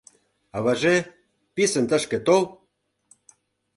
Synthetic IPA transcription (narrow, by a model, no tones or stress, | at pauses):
ɑβɑʒe | pisə̆nt̪ə̆ʃkĕt̪ol